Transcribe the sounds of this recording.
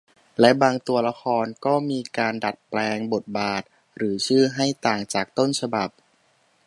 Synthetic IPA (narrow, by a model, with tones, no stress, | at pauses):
lɛ˦˥baː˧ŋt̪u˧ɐla˦˥kʰɔː˧nkɔː˥˩miː˧kaː˧nda˨˩t̪̚plɛː˧ŋbo˨˩t̪̚baː˨˩t̪̚ | ɾɯː˩˦t͡ɕʰɯː˥˩ɦa˥˩jt̪aː˨˩ŋt͡ɕaː˨˩k̚t̪o˥˩nt͡ɕʰa˧ba˨˩p̚